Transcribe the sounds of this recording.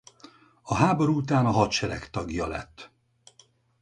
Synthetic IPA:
ɒɦaːbo̞ɾuut̪aːnɒɦɒt̪ʃɛɾɛkt̪ɒɡjɒlɛ̰t̪ː

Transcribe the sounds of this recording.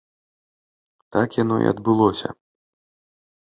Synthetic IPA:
t̪akjanɔʔḭɐ̰d̪̚bɨlˠɔsʲɐ

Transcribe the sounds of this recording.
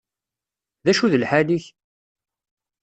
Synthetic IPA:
ðæʃuðəlħaliç

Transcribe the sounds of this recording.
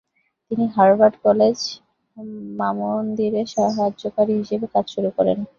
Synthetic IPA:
t̪iniɦaɾbaɾɖkɔled͡ʑ | mamond̪iɾeʃɔɦad͡ʑokaɾiɦiʃebekad͡ʑʃuɾukɔɾḛn

